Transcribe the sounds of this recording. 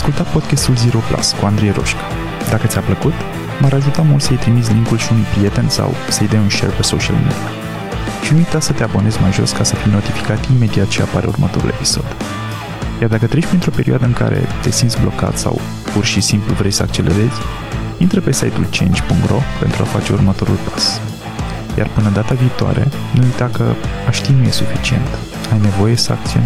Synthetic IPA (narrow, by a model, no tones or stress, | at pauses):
askult̪at̪po̞d̪kʲast̪ulzeɾo̞pla̰skuand̪ɾejɾo̞̰ʃkḁ | d̪akət̪sʲapləkut̪ | maɾaʒut̪amult̪səjt̪ɾimit̪s̬ʲliŋkulʃiunujpɾije̞t̪e̞nʲsa̰wsəjd̪ajunʃḛrpesoʃia̰lmḭd̪ia | ʃinuujt̪asət̪e̞abo̞ne̞zʲmajʒo̞̰skasəfijno̞t̪ifi̥kat̪ime̞d̪iat̪̚t͡ʃeapaɾe̞̰ṵrmət̪o̞̰ɾṵlʔe̞pi̥so̞̰d̪ | jard̪akət̪ɾe̞ʃʲpɾint̪ɾo̞pe̞ɾioad̪əɨŋka̰ɾe̞̰t̪e̞sint̪sʲblo̞ka̰t̪sa̰w | purʃisimpluvɾe̞jsəakt͡ʃe̞le̞̰ɾe̞zʲ | int̪ɾəpe̞sajt̪ult͡ʃḛnt͡ʃʲpuŋkt̪ro̞pe̞nt̪ɾuafat͡ʃe̞urmət̪o̞ɾṵlpḁs | ja̰rpɨnəd̪at̪aviːt̪oa̰ɾe̞̰ | nuujt̪akəaʃt̪ijnuje̞sufit͡ʃie̞̰nt̪ | ajne̞vo̞je̞səak̚t̪sion